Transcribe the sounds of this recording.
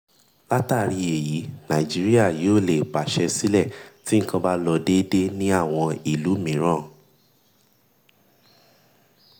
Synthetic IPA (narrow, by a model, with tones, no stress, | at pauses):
la˦ta˦˨ɾi˧e˨ji˨˦nã˨d͡ʒi˨˦ɾi˦a˦˨joː˦˨le˨k͡pa˨ʃɛ˧si˦lɛ˦˨ti˦ŋ̩˦kã˧ba˦lɔ˧de˦de˦nĩ˦a˦˨w̃ɔ̃˧i˨lu˨˦mĩ˨˦ɾ̃ã˦˨